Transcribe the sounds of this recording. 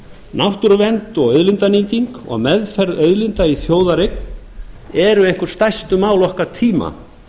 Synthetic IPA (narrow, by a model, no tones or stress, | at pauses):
nawht̪ʏɾvɛnt̪ɔɣœɥðlɪnt̪aniːt̪iŋkɔ̰ɣmɛðfɛɾðœɥðlɪnt̪aiθjoːwðaɾejkn | ɛɾʏehŋ̥kʏɾ̥st̪ajst̪ʏmaːwlɔhkat̪ʰiːma̰